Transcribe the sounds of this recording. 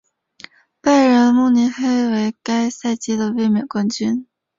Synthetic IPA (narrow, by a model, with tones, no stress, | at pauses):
pa˥˩ɪɻə˧˥nmu˥˩ni˧˥nxe˥ɪwe˧˥ɪka˥ɪsa˥˩ɪt͡ɕi˥d̪ə˨we˥˩ɪmjɛ˨˩nkwa˥nt͡ɕy˥n